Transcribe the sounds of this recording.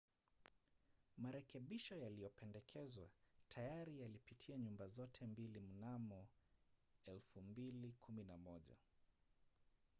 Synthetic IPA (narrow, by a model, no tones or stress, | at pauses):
maɾɛkɛɓiʃɔjalijɔpɛndɛkʰɛzwa̰tʰajaɾijalipitʰiaɲumbazɔtʰɛmbilim̩namɔ | ɛlfumbilikʰuminamɔʄa̰